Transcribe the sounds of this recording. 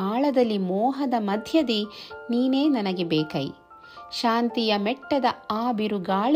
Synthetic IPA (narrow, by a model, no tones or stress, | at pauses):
aːɭɐd̪ɐlːimɔːɦɐd̪ɐmɐd̪ʱjɐd̪iniːne̞ːnɐnɐɡe̞bɛːkɐj | ʃaːnt̪ijɐmɛʈːɐd̪ɐaːbiɾuɡaːɭ